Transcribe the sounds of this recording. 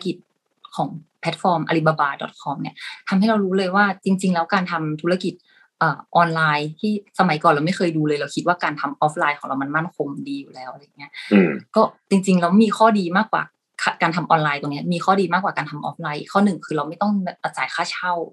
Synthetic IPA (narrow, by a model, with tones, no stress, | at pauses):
ki˨˩t̪̚ | kʰɔː˩˦ŋpʰɛ˦˥t̪̚fɔː˧mʔa̰˧li˦˥ba˧baː˧˩dɔ̰˨˩t̪̚kʰɔ˧mni˥˩ɐt̪ʰa˧mha˥˩jɾa˧wɾuː˦˥lɤː˧jwaː˥˩t͡ɕi˧ŋt͡ɕi˧ŋlɛː˦˥wkaː˧nt̪ʰa˧mt̪ʰu˦˥la˧˩ki˨˩t̪̚ | ʔɤː˨˩ʔɔː˧nlaː˧jt̪ʰiː˥˩sa˧ma˨˩˦jkɔː˨˩nɾa˧wma˥˩jkʰɤː˧jduː˧lɤː˧jla˧wkʰi˦t̪̚waː˥˩kaː˧nt̪ʰa˧mʔɔː˦˥p̚ʰlaː˧jkʰɔ˩˦ŋɾa˧wma˧nma˥˩nkʰo˧mdiː˧juː˨˩lɛː˦˥wʔa˧ɾa˧jːa˨˩ŋːi˦˥ɐʔkɔː˥˩t͡ɕi˧ŋt͡ɕi˧ŋlɛa˧wmiː˧xʰɔː˥˩diː˧maː˥˩k̚wa̰ː˨˩ | kʰa˧˩kaː˧nt̪ʰa˧mʔɔː˧nlaː˧jt̪ɔ˨˩ŋni˦˥miː˧xʰɔː˥˩diː˧maː˥˩k̚waː˨˩kaː˧nt̪ʰa˧mʔɔ̰˦˥p̚laː˧˥jʔi˩kʰɔː˥˩nɯ˨˩ŋkʰɯː˧ɾa˧wma˥˩jt̪ɔ˥˩ŋ˧˩ʔa˧˩t͡ɕaː˨˩˦jkʰaː˥˩t͡ɕʰa˥˩w